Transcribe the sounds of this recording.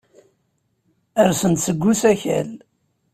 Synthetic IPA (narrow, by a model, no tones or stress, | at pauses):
əɾsənt̪səɡʷːusæçæ̰l